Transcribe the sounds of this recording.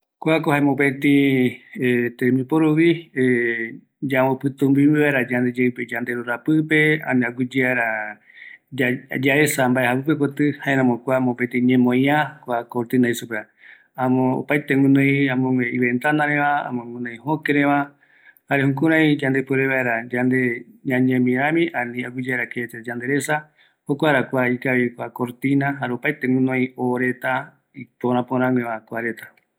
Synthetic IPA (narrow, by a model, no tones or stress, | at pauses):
kʷakohaẽmõpet̪ĩet̪emĩpoɾuβi | d͡ʒawopɨt̪ũmbimiβaeɾad͡ʒand̪ed͡ʒeɨped͡ʒand̪eɾuɾapɨpeã̰naɡʷid͡ʒiaɾa | d͡ʒad͡ʒaesambaehapɨpekot̪ɨhaeɾãmokʷamõpet̪ĩɲẽmõjãkʷakoɾt̪ɨnaisupe | ãmõo̰pajt̪eŋɨ̃nõĩãmõŋeiβent̪anãɾeβaa̰mõŋɨ̃nõj̃hokeɾeβa | haɾehũkuɾãj̃d͡ʒand̪epɨɾeβaeɾad͡ʒand̪eɲãɲẽmĩɾãmĩʔãnĩaɡʷid͡ʒaeɾaket͡ʃed͡ʒand̪eɾesa | hokʷaɾakʷaikaβikʷakoɾt̪inãɦaɾeopajt̪eŋũnõĩoɾet̪a | ipoɾãpoɾ̃ãŋʷeβakʷaɾet̪ḁ